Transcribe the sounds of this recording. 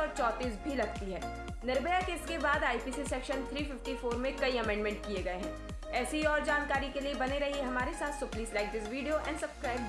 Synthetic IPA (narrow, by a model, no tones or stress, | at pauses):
ɔːɾt͡ʃɔːt̪iːsbʱilɐɡt̪iɦɛː | nɐɾbejakeːskebaːd̪aːipisisɛːkʃənt̪ʰɾiːfɪfʈifoːɾmẽkɐiɐmɛ̃ːɳɖmɛ̃ɳʈ̚kieɡɐeɦɛ̃ː | ɛːseɦiɔːɾd͡ʒaːnkaːɾikeliebɐneɾɐɦiɦɐmaːɾesaːt̪ʰsʊpliːslaːɪk̚d͡ʒɪsʋiːɖijoʔɛ̰̃ːɳɖsɐbskɾaːɪb